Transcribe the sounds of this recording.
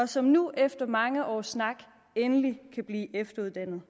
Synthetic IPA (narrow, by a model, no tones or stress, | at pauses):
ɒ̽sɒ̽mnuʔefd̥ɐmɑ̈ŋəʔɒ̰ːsːnɑ̈ɡ̥ | enəlikʰæb̥liːʔefd̥ɐuð̞ˠd̥æn̰ð̩ˠ